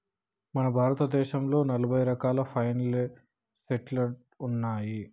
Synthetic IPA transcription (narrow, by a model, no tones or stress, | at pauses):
mɐnɐbʱaːɾɐt̪ɐd̪ɛːʃɐmlo̞ːnɐlɐbʱɐjɾɐkaːlɐpʰɐjnɐl | seʈlɐɾʈ | unːaːji